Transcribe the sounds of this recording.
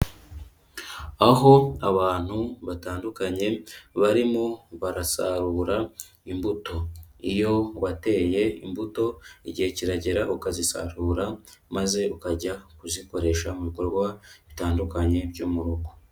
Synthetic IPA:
aɦo̞aβaːn̥huβataːndukaɲe̞βaɾimoβaɾasaɾuːɾa | imbuto̞ijo̞wate̞ːje̞ḭmbuto̞iɟihe̞ciɾaɟe̞ɾaʔukazisa̰ɾuːɾamaze̞ukaɟakuziko̞ɾe̞ʃamuβiko̞ɾɡwaβitaːndukaɲe̞bɟuːmuɾuɡo

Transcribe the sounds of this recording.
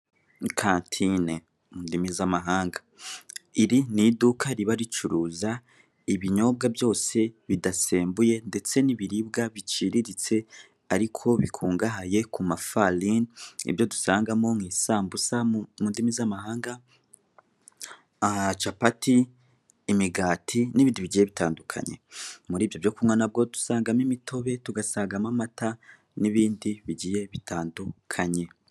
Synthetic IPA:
kʰaːntʰine | mundimizamaɦaːŋɡa | iɾinidukaɾiβaɾit͡ʃuɾuːza | iβiɲo̞b̚ɡabjo̞ːse̞βidase̞ːmbuje̞nde̞t͡se̞niβiɾib̚ɡaβit͡ʃiɾiɾit͡se̞ | aɾikʰo̞βikʰuːŋɡaɦaje̞kumafalinḭbjo̞dusaːŋɡamo̞ŋiːsaːmbusamundimizamaɦaːŋɡa | t͡ʃapatiː | miɡaːtʰiniβiːndiβiɟije̞βitaːndukʰa̰ɲe̞̰muɾiːvjo̞vjo̞kumŋwanab̚ɡo̞du̥saːŋɡamimitʰo̞βe̞tuɡasaːŋɡamamata | niβiːndiβiɟije̞βitʰaːndukʰaɲe̞

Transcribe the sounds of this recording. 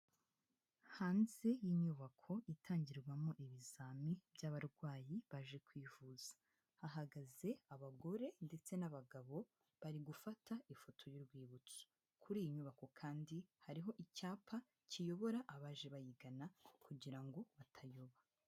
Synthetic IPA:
haːnze̞jiɲuːβakʰo̞ʔitʰaːɲɟiɾɡwamo̞ʔiβizaːmibjaβaɾɡwaːjiβaʒe̞kwiːvuz̥ḁ | haɦaɡaze̞aβaɡo̞ɾe̞nde̞t͡se̞naβaɡaβo̞ | βaɾiɡufatʰaifo̞tʰo̞juɾɡwiːβut͡so̥ | kʰuɾiːjiɲuːβako̞kʰaːndihaɾiɦo̞ʔicaːpʰa | cijo̞βo̞ɾaʔaβaːʒe̞βajiɡanakʰuɟiɾaŋɡo̞βatʰajo̞βa

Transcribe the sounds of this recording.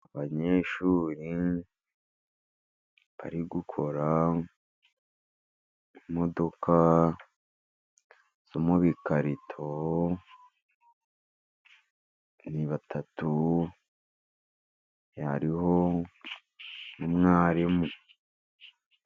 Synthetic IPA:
aβaɲeːʃuːɾi | βa̰ɾiɡukʰo̞ɾa | imo̞do̞kʰa | z̥omuβikaɾitʰo | niβatʰatu | ja̰ɾiho̞ | numŋaːɾimu

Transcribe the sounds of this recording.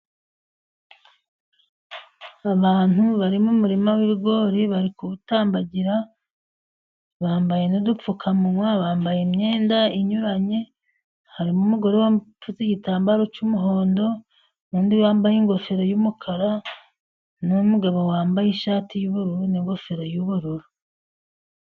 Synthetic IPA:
aβaːnuβaɾimumuɾimawiβiɡo̞ːɾiβaɾikuβutaːmbaɟiɾa | βaːmbaje̞nudup͡fukʰamuŋwaβaːmbajemɲe̞ːndaiɲuɾaɲe̞ | haɾimumuɡo̞ɾewafuziɟitaːmbaɾo̞t͡ʃumuɦo̞ːndo̞ | nuːndiβaːmbajiŋɡo̞feɾajumukʰaɾa | numuɡaβowaːmbajiʃaːtijuβuɾuɾuniŋɡo̞feɾajuβuɾuɾu

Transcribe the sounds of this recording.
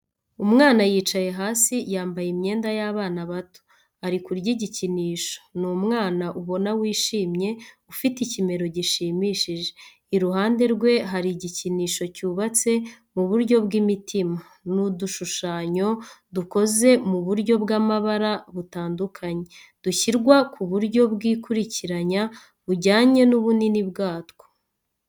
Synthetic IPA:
umŋaːnajiːt͡ʃaje̞ɦaːsijaːmbajemɲe̞ːndajaβaːnaβato̥ | aɾikuɾɟiɟiciniːʃo̞̥numŋaːnaʔuβo̞nawiːʃiːmɲe̞ufiticime̞ɾo̞ɟiʃiːmiːʃiʒe̞ | iɾuɦaːnde̞ɾɡwe̞ɦaɾiɟiciniːʃo̞cuːβat͡se̞ | muβuɾɟo̞bɡimitima | nuduʃuʃaːɲo̞duko̞ze̞muβuɾɟo̞bɡamaβaɾaβutaːndukʰaɲe̞ | d̥uçiɾɡwakʰuβuɾɟo̞bɡiːkuɾiciɾaɲa | βuɟaːɲe̞nuβuninibɡaːtko̥

